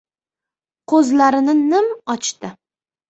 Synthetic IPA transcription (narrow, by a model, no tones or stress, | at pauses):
qʰɵzlaɾɪnɪnɪmɒt͡ʃt̪ɪ